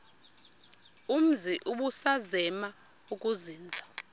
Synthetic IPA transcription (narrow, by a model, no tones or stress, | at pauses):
um̩ziʔuɓusazɛma | uk̬ʼuziːnd͡zʱa